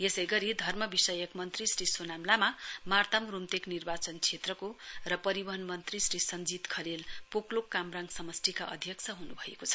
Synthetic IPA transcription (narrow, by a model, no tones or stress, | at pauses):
esʌjɡʌɾid̪ʱʌrmʌbisʌjʌkmʌnt̪risrisonamlamamart̪amrumt̪eknirbat͡sʌnt͡sʰet̪rʌkorʌpʌɾibʌɦʌnmʌnt̪risrisʌnd͡zit̪kʰʌɾelpoklokːamraŋɡsʌmʌsʈ̪ʰikaʔʌd̪ʱjʌkt͡sʰʌɦunubʱʌḛkot͡sʰʌ̥